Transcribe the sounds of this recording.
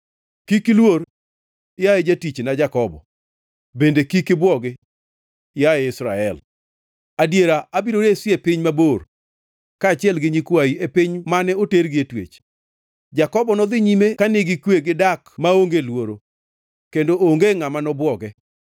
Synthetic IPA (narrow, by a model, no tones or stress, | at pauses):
kikɪlwor | jajed͡ʒatit͡ʃnad͡ʒakɔbɔ̰ | bendekikɪbwɔɡɪ | jaeɪsɾaɛl | adjeɾaabiɾoɾesɪepɪɲmabor | kaːt͡ʃɪɛlɡɪɲikwaiepɪɲmanɛoteɾɡɪetwḛt͡ʃ | d͡ʒakɔbɔnɔd̪ɪɲimekanɪɡɪkweɡɪdakmaoŋɡelwoɾo | kendooŋɡeŋamanɔbwɔɡɛ